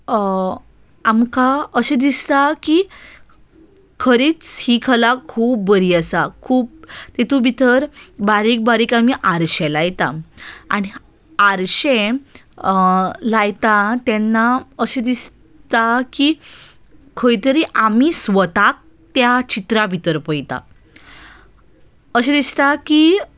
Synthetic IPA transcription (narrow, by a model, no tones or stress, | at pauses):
amkaəɕẽd̪ist̪aki | kʰəɾiːt͡shikʰəlakʰuːp̚ːəɾiːəsakʰuːp̚t̪et̪ubit̪ʰəɾbaɾik̚baɾiːkamiʔaɾɕẽlajt̪a̰aɽ̃i | aɾɕẽ | lajt̪at̪ɛnːaəɕed̪is | t̪aki | kʰəjt̪əɾiʔamisʋət̪ak̚ | t̪jat͡ɕit̪ɾabʱit̪əɾpəjt̪a̰ | əɕed̪ist̪aki